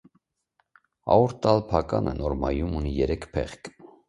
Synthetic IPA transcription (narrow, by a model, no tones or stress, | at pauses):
ɑ̰uɾt̪ːɑlpʰɑkɑnənɔɾmɑjumunijɛɾɛkʰpʰɛ̰χk